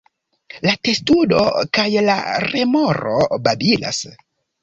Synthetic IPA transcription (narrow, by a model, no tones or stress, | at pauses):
late̞studo̞̰kajla̰ɾemoɾobabila̰s